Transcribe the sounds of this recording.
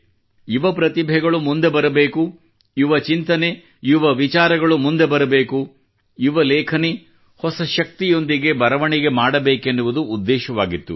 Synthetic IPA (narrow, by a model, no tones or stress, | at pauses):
iʋɐpɾɐt̪ibʱɛɡɐɭumund̪e̞bɐɾɐbeːku | iʋɐt͡ʃint̪ɐne̞ | iʋɐʋit͡ʃaːɾɐɡɐɭumund̪ebɐɾɐbeːku | iʋɐlɛːkʰɐni | hɔsɐʃɐk̚t̪ijo̞nd̪iɡe̞bɐɾɐʋɐɳiɡe̞maːɽɐbeːkenːuʋud̪uːd̪ːɛːʃɐʋaːɡit̪ːṵ